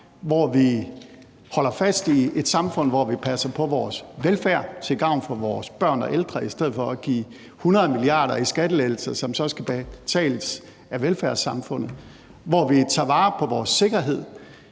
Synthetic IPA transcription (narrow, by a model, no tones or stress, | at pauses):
ʋɒʋi | hɒ̽l̰ɐfæsd̥ie̝d̥sɑ̈mfɔ̽n̰ʋɒʋipʰæsɐpʰɒ̽ʋɒːsʋelfæɐ̰t͡sʰe̝lɡ̥ɑ̈ʊ̰nfɒ̽ʋɒːsb̥ɶɐ̰nɒ̽ʔeld̥ʁɐisd̥eð̞̰̩ˠfɒ̽æɡ̥ḭː | hunɐðˠmiliɑ̰̈ːɾ̥ɐisɡ̥æd̥əledl̩sɐsɒ̽msɒ̽sɡ̥æb̥t͡sʰɛ̰ːləs | æʋelfæɐsɑ̈mfɔ̽n̰ð̩ˠ | ʋɒʋit͡sʰɑ̈ːʋɑ̈ːpʰɒ̽ʋɒːsːe̝ɡ̥ɐɦe̝ð̞̰ˠ